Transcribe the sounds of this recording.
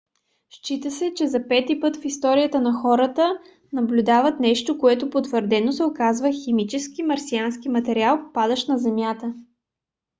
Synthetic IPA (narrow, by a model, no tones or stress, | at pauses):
ʃt͡ʃit̪əsɛt͡ʃɛzɐpɛt̪ipɤt̪fist̪ɔɾijət̪ənɐxɔɾət̪ə | nɐblʲud̪avɐt̪nɛʃt̪okoɛt̪opot̪vəɾd̪ɛnosɛokazvəximit͡ʃɛskimɐɾsianskimɐt̪ɛɾialˠppad̪əʃnɐzɛmʲjat̪ə